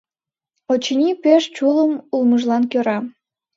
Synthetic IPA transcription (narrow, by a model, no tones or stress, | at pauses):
ot͡ɕinʲipeʃt͡ɕuləmulməʒlɑnkøɾɑ